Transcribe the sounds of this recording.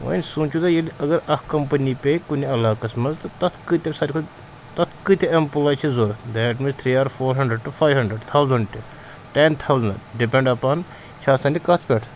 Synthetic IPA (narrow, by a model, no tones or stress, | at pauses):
ʋo̰nʲsũːnt͡ʃʰud̪ɐjilɐɡɐɾɐkkɐmpənipekuniɐlaːkɐsmɐnzt̪ɐt̪ɐt̪ʰkɨt̪ʲesaːɾʲkʰo | t̪ɐt̪ʰkɨt̪ʲeɐmpulaːt͡ʃʰizoːɾd̪ɛʈ̬mĩzt̪ʰɾiːaːɾfoːɾɦɐɳɖɾəɖ̚ʈufʰaːjʋɦɐɳɖɾəɖt̪ʰawzɐɳɖʈʲi | ʈent̪ʰawzɐnɖipẽɳɖɐpaːn | t͡ʃʰaːsɐ̃nʈʲikɐt̪ʰpʲeʈʰ